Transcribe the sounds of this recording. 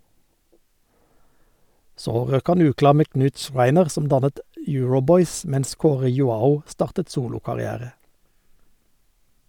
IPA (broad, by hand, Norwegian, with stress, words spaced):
ˈsoː ˈʁøːk ˈhɑn ˈʉːˌklɑːʁ ˈmeː ˈknʉːt ˈʃʁæɪnəʁ ˈsɔm ˈdɑnət ˈjʉːɹʊˌbɔʏs ˈmɛns ˈkoːʁə jʊˈɑːʊ ˈstɑːʁtət ˈsuːlʊkɑʁɪˌæːʁə